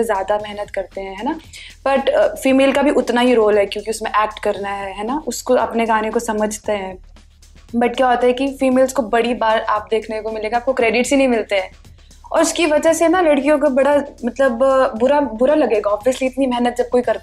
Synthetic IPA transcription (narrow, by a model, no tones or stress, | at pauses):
ezjaːd̪amɛɦnət̪kɐɾt̪eɦɛ̃ɦɛːnabɐʈfiːmeːlkabʱiʔʊt̪naɦiɾoːlɦɛkjũːkiʊsmẽʔɛːk̚ʈkɐɾnaɦɛɦɛːnaʔʊskoɐ̰pneɡaːnekosɐməd͡ʒʱt̪eɦɛ̃ː | bɐʈkjaɦoːt̪aɦɛkifiːmeːlzskobɐɽibaːɾaːp̚d̪eːkʰnekomɪleːɡaːpkokɾeːɖɪʈsinɐɦĩmɪlt̪eɦɛ̃ː | ɔ̰ːɾʊskiʋɐd͡ʒasenalɐɽkijoːkbɐɽamɐt̪ləbbʊɾabʊɾalɐɡeːɡaɔːbʋiəsliɪt̪nimɛɦnət̪̚d͡ʒɐb̚koːikɐɾt̪